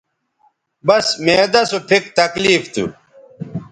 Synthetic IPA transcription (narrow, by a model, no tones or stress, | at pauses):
bɐsmeːd̪ɐsopʰikt̪ɐkliːft̪ṵ